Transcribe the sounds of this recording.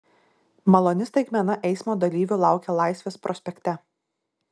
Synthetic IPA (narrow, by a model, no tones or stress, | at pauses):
mɐlˠɔnʲɪst̪ɐɡʲmʲɛnɐʔɛɪsmoːd̪ɐlʲiːʋʲʊlˠɑˑʊkʲɛlˠɑˑɪsʲʋʲeːspɾʔɔsʲpʲɛkʲt̪ʲɛ